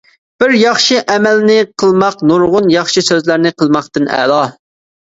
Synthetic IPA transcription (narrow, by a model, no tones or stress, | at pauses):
b̥ɪɾjɑχʃiʔɛmælnɪqʰəlˠmɑqnuɾʁʊnjɑχʃisøzlæɾnɪqʰəlˠmɑqt̪ɨnɛ̰lɑ